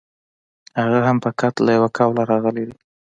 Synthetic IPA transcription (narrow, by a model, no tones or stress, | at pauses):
haɣaɦampəkat̪lajawakʰɑwlaɾɑɣəled̪i